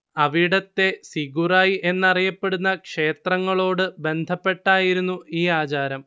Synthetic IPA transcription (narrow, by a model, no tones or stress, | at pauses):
ɐʋiɽɐt̪ːe̞siɡuraːjʔe̞nːɐrijɐpːe̞ɽunːɐkʂe̞ːt̪rɐŋːɐɭo̞ːɽɨbe̞nd̪ʱɐpːe̞ʈːaːjiɾunːuiːaːt͡ɕaːɾɐm